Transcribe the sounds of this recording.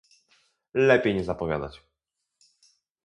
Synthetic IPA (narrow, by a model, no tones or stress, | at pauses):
lɛpʲjejɲɛzapɔvʲja̰d̪at͡ɕ